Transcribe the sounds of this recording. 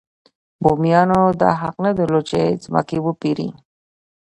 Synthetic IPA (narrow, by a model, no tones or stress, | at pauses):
bomjɑnod̪ɑ̰ɦaqnad̪əlot͡ʃezmɑ̰kibupiɾḭ